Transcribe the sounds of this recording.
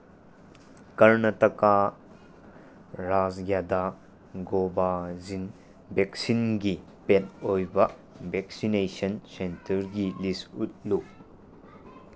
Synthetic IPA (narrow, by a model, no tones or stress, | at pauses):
kɐɾnɐtɐka | ɾazɡjad̪a | ɡobazin | beksinɡi | pet̚ojbɐ | bʱeksinesɐnsentɐɾɡilisut̚lu